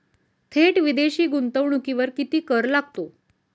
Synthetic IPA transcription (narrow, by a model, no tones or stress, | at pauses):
t̪ʰeʈʋid̪eɕiːɡunt̪əʋɳukiʋəɾkit̪iːkəɾlaɡ̚t̪o